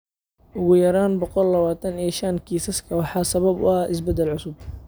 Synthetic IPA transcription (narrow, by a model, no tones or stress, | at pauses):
ʔʊɣʊjɐɾaːnbɔqɔlːɐβaːt̪ʰɐniʃɐnkʰiːsɐskʰɐwɑħɑːsɐβɐbʊ̰aːɪs̬bɛd̪ːɛlʕʊsʊb̚